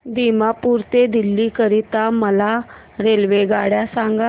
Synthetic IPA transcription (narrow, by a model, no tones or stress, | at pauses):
d̪imapuɾt̪ed̪ilːikəɾit̪aməla | ɾelʋeɡaɽjasãŋɡa